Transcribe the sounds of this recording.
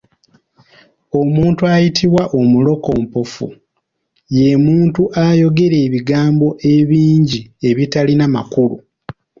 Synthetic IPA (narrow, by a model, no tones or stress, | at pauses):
o̞muːntuajitʰiβwaʔomulo̞ko̞mpofṵ | je̞muːntuʔajo̞ɡe̞ɾeːβiɡaːmbo̞ʔe̞βiːɲɟie̞βitalinamakulṵ